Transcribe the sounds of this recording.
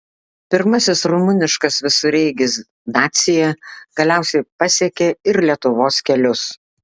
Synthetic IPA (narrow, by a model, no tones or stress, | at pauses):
pʲɪɾmɐsʲɪsɾʊmʊnʲɪʃkɐsʋʲɪsʊɾʲɛɪɡʲɪs | d̪ɑːt̪sʲɪjɛɡ̥ɐlʲæˑʊsʲɛɪpɐsʲiɛkʲeɪɾlʲiɛt̪ʊʋoːskʲɛlʲʊs